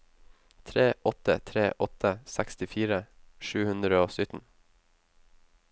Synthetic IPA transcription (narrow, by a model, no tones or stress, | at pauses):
t̪ʰɾeːʔɔt̪ə̰t̪ʰɾeːʔɔt̪ʰəsækst̪ɪfiːɾəʃʉːhʉnd̪ɾəoːsʏt̪n̩